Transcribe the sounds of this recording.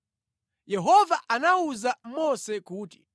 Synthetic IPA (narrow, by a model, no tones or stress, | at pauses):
jɛɦɔvaʔanauzam̩mɔsɛkuːti̥